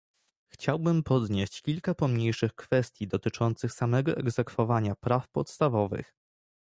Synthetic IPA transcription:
xt͡ɕawbɘmpɔd̪ɲeɕt͡ɕkʲilkapɔmɲejʂɘxkfɛst̪ʲjid̪ɔt̪ɘt͡ʂɔnt̪sɘxsamɛɡɔʔɛɡzɛkfɔvaɲapɾafpɔt̪st̪avɔvɘ̰x

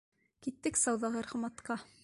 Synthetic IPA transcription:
kit̪ːɘksɑwðɑʁɤɾχ̆mɑt̪qɑ

